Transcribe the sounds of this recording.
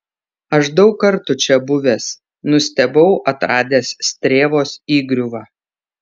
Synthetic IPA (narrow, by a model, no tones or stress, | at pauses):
ɐʃd̪ɒʊkːɐɾt̪ʊt͡ʃʲɛbʊʋʲeːs | nʊsʲt̪ʲɛbɐʊʔɐt̪ɾɑːd̪ʲeːssʲt̪ʲɾʲeːʋoːsiːɡɾʲʊʋɑː